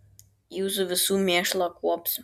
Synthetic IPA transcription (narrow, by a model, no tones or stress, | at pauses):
juːzʊʋʲɪsuːmʲeːʃlˠɐkuɔps